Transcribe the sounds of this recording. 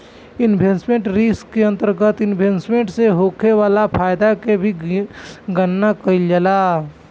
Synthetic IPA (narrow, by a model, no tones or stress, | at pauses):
ɪnbʱẽːnsmẽɳʈɾiːskːeɐ̃nt̪əɾɡət̪ɪnbʱensmẽɳʈseɦoːkeʋaːlapʰaːjd̪akebʱi | ɡənːakəild͡ʒəlaː